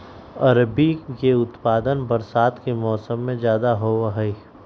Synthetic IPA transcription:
ɐɾbikeʊt̪paːd̪ənbɐɾsaːt̪kemɔːsəmːẽd͡ʒjaːd̪aɦoːɦɛi

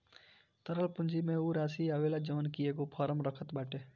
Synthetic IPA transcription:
t̪əɾəlpʊ̃nd͡ʒimẽuːɾaːsiaːʋeːlad͡ʒɔːnkijeːɡopʰaːɾəmɾəkʰət̪baːʈeː

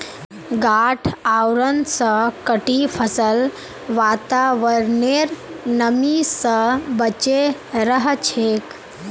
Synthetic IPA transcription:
ɡaʈʰawɾənsəkəʈifʰəsəl | ʋat̪aʋəɾneɾnəmisəbət͡ɕeɾəɦət͡ʃʰek

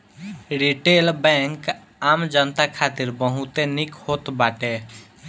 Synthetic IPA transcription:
ɾiʈelbɛ̃ŋk | amd͡ʒənt̪akʰat̪iɾbəɦũt̪enikhot̪baʈe

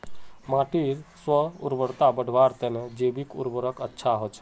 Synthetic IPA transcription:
mãːʈiɾswəʊ̰ɾbəɽt̪abəɽ̤ʱʋaɾt̪ened͡ʒeːbikʊ̰ɾbəɾəkətːʃʰaɦot͡ʃʰ

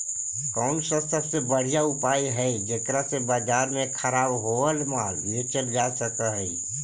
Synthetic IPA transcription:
kɔʊnsə̃st̪ʰəsebəɽ̤ijaupaiɦəd͡ʒekɾasebad͡ʒaɾmekʰəɾabɦoəlmaljet͡ʃəld͡ʒasəkəɦəj

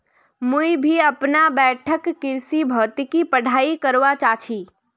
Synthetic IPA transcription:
muibʱiəpnabɛːʈʰəkːɪɾsibʱɔːt̪ikipəɽ̤ʱaːikəɾʋat͡ʃat͡ʃʰiː

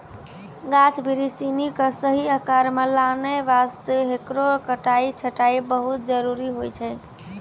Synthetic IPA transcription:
ɡat͡ʃʰbʱiɾisinikəsəɦiəkaɾmelaneʋast̪əɦekɾokəʈait͡ʃʰəʈaibəɦut̪̚d͡ʒəɾuɾiɦojt͡ʃʰɛ

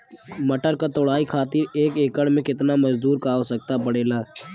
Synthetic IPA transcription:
mɐʈəɾkat̪ʊɽaːikʰaːt̪iɾeːkeːkəɽmẽkɪt̪namɐd͡ʒd̪uːɾkaːosək̚t̪apəɽeːlaː

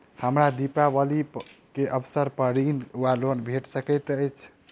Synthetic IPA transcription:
həmɾad̪ipabəlikeʔəbsəɾpəɾinwalonbʱeʈsəkət̪əjt͡ʃʰ

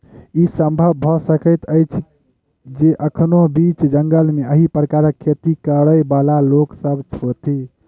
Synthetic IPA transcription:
isəmbʱəbʱɔsəkəɪt̪əjt͡ʃʰ | d͡ʒeʔəkʰnobit͡ʃd͡ʒəŋɡəlmeəɦipɾəkaɾəkʰːet̪ikəɾəjbalaloksəbt͡ʃʰot̪i

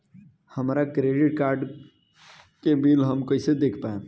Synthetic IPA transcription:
həmɾakɾeɖiʈ̚kaɾɖ | kebilɦəmkəised̪ekʰpaẽ

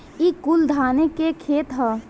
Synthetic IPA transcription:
ikʊld̪ʱaːnekekʰeːt̪ɦɛː

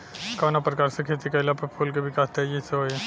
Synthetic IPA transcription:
kanapɾɐkaːɾsekʰeːt̪̬ikɐɪlapepʰolkeʋɪkaːst̪ed͡ʒiseɦoːje

